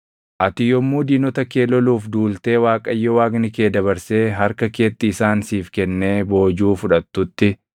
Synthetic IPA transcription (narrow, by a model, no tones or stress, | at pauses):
ʔɐt̪ɪjɔmːuːd̪iːnɔt̪ɐke̞ːlɔluːfd̪uːlt̪e̞ːwaːkʼɐjːɔwaːɡnɪke̞ːd̪ɐβɐɾse̞ːɦɐɾkɐke̞ːt̪ːɪːsaːnsiːfkɛnːe̞ːbo̞ːd͡ʒuːfʊᶑɐt̪ːʊt̪ːɪ